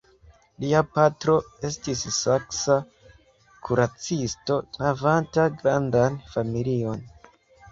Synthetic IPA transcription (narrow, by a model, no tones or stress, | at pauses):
liapatɾo̞e̞stisːaksa | kʰuɾat͡sisto̞navantaɡɾandanfamilio̞n